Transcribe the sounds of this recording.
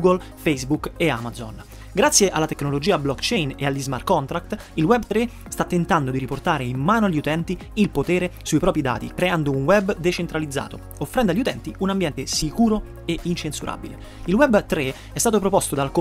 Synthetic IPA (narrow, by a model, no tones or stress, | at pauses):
uɡol | fejzbukːea̰mazon | ɡɾat̪sːjeʔalːat̪ekːnolod͡ʒiːaːblɔkt͡ʃɛjnealːizma̰r̚kːɔnt̪ɾakt̪ | ilwɛbt̪ɾe | st̪at̪ːent̪and̪od̪iɾiport̪aːɾeimːaːnoaʎːiut̪ɛnt̪i | ilpot̪ɛːɾesuipɾɔːpɾid̪a̰ːt̪ḭkɾeand̪ounwɛbːd̪et͡ʃent̪ɾalid̪zːa̰ːt̪o | ofːɾɛnd̪aʎːiut̪ɛnt̪iunambjɛnt̪esikuːɾo | eʔint͡ʃensuɾʔa̰ːbḭlḛ | ilwɛbːt̪ɾe | ɛst̪aːt̪̬op̬ɾopost̪od̪alko